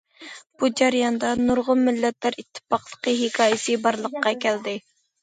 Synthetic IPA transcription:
b̥ud͡ʒɛɾjɑnd̪ɑnuɾʁʊlmɪlːɛt̪læɾit̪ʰːɪ̥pɑqlˠə̥qəɦɪkʰɑːjɪsɨbɑɾlˠəqːɑkʲʰæld̪ɪ

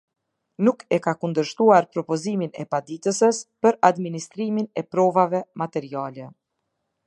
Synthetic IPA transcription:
nukɛkakund̪əɾʃt̪uaɾpɾɔpɔziminɛ̰pad̪it̪əsəspəɾad̪minist̪ɾiminɛpɾɔvavɛmat̪ɛɾialɛ

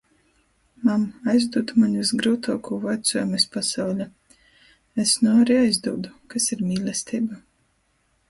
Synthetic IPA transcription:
mamajzd̪uːd̪umaɲʲvisɡɾuːt̪ʰuːkuːvajt̪sɔjmɛspasawlʲa | esnuaɾiajzd̪uːd̪ukasiɾmʲiːlʲˠɛst̪ʲiːba

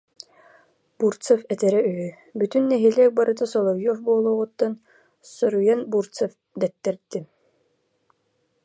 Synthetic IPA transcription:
buɾt̪sɛfɛt̪ɛɾɛyɦy | byt̪ynːɛɦilɛːk̚baɾʔɯt̪asɔlˠɔvjɔfbuɔlˠuːʁut̪ːan | sɔɾujanbuɾsɛf | d̪ɛt̪ːɛɾt̪ːi

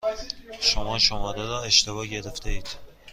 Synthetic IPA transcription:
ʃomɒʃomɒd̪eɾɒeʃt̪ʰevɒɟeɾeft̪ʰeiːd̪̥

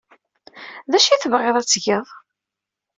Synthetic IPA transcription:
ðæʃiθəvʁeðˤæt͡sːʝeðˤ

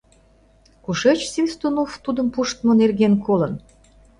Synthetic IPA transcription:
kuʃet͡ɕsinst̪unoft̪ud̪ə̆mpuʃt̪mənerɣenkolə̆n

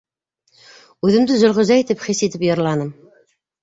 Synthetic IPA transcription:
ʉðɘ̆md̪ɘzɵ̆lʁɵ̆zæit̪ɘpχisit̪ɘpjɤ̆ɾlˠɑnɤm

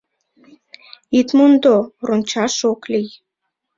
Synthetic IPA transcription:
it̪mund̪oronʲt͡ɕɑʃoklij

